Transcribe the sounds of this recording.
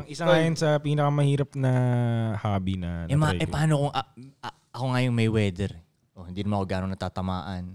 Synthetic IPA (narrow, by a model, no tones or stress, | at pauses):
ʔɐŋʔɪsaŋaːjonsɐpiːnɐkɐmɐhiːɾɐpnɐhaːbinɐnɛmɐʔɛpɐʔaːnokoŋʔɐɐ | ɐkoŋajoŋmɐjwɛːd̪ɛɾ | ʔohɪnd̪iːnɐmankoɡaːnoŋnɐt̪aːt̪ɐmaːʔɐn